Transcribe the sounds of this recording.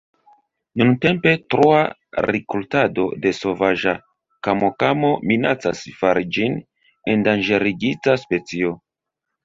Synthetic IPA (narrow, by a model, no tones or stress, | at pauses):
nunte̞mpe̞tɾua | ɾikultado̞̰de̞so̞vaʒa | kamokamo̞minat͡sa̰sfaɾid͡ʒin | endand͡ʒe̞ɾiɡit͡saspe̞t͡sio̞